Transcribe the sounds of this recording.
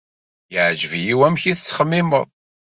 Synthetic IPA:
jəʕd͡ʒəvjiwæmçiθət͡sːχəmːɪməðˤ

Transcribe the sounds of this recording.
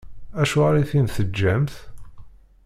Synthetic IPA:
æʃuʁɾiθinθəd͡ʒːæmθ

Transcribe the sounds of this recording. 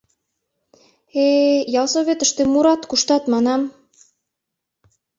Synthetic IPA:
ejɑlsoβʲet̪ə̆ʃt̪emuɾɑt̪kuʃt̪ɑt̪mɑnɑm

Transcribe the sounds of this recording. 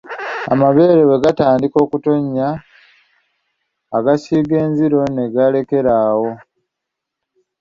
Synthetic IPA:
a̰maβe̞ːɾeβe̞ɡataːndiko̞ːkuto̞ɲːa | ɡasiːɡe̞ːnziɾo̞ne̞ɡale̞ke̞ɾaːwo̞

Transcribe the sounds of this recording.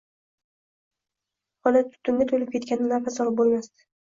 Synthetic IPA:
hɒlɪt̪ʰʊ̥t̪ʰːʊnd̪at̪ʰolɪp̚kʲʰe̞t̪kʲanɪnaɾfasɒlˠɪp̚bolˠmast̪ɪ̥

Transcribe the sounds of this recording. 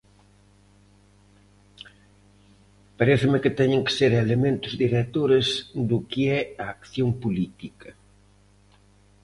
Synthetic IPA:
paɾeθɪmɪkɪt̪ɛɲẽŋke̥seɾelemẽnt̪ʊzd̪iɾet̪oɾesd̪ʊkiɛaːkθjompulit̪ikɐ

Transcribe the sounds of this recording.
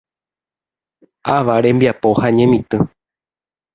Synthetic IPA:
ʔaʋaɾẽmbiapohaɲẽ̞mĩt̪ɨ̃

